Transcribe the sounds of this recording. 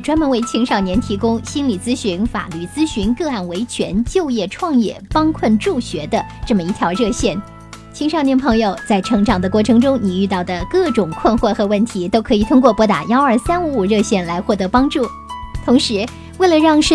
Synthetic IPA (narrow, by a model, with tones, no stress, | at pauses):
ʈ͡ʂwa˥nmə˧˥nwe˧˥˩ɪt͡ɕʰi˧˥ŋʂɑ˨˩ʊnjɛ˧˥nt̪ʰi˧˥kʊ˥ŋɕi˥nli˨˩t͡sɹ̩˥ɕy˧˥nfa̰˨˩ly˥˩t͡sɹ̩˥ɕy˧˥nkɤ˥˧a˥˩nwe˧˥ɪt͡ɕʰɥɛ̰˧˥nt͡ɕjo˥˧ʊjɛ˥˧ʈ͡ʂʰwɑ˥˧ŋjɛ̰˥˩pɑ˥ŋkʰwə˥˧nʈ͡ʂu˥˩ɕɥɛ˧˥d̪ə˧ʈ͡ʂɤ˥˩mə˩i˥˩t̪ʰjɑ˧˥ʊɻɤ˥˧ɕjɛ˥˩n | t͡ɕʰi˧˥ŋʂɑ˥˩ʊnjɛ˧˥npʰɤ˧˥ŋjo˧ʊt͡sa˥˩ɪʈ͡ʂʰɤ˧˥ŋʈ͡ʂɑ˨˩ŋd̪ə˦kwɔ˥˩ʈ͡ʂʰɤ˧˥ŋʈ͡ʂʊ˥ŋni˨˩y˥˧t̪ɑ˥˩ʊd̪ə˩kɤ˥˩ʈ͡ʂʊ˨˩ŋkʰwə˥˧nxwə˥˩xɤ˧˥wə˥˩nt̪ʰi˧˥t̪o˥ʊkʰɤ˧˥i˨˩t̪ʰʊ˥ŋkwɔ˥˩pwɔ˧˥t̪a̰˨˩jɑ˥ʊə˞˥˩sa˥nu˧˥u˨˩ɻɤ˥˧ɕjɛ˥˩nla˧˥ɪxwɔ˥˩t̪ɤ˧˥pɑ˥ŋʈ͡ʂu˥˩ | t̪ʰʊ˧˥ŋʂɻ̩˧˥ | we˥˩ɪlə˩ɻɑ˥˩ŋʂ